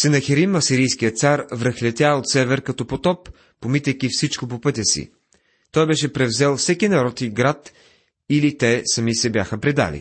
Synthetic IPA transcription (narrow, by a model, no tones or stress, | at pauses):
sɛnɐxɛɾimɐsiɾijskijət̪saɾvɾəxlʲɛt̪ʲjaot̪sɛvɛɾkɐt̪ɔpot̪ɔpː | omit̪ɛkifsit͡ʃkop̬opɤt̪ʲəsḭ | t̪ɔjbɛʃɛpɾɛvzɛlˠfsɛkinɐɾɔt̪iɡɾat̪ | ilit̪ɛsɐmisɛbʲjaxəpɾid̪a̰lḭ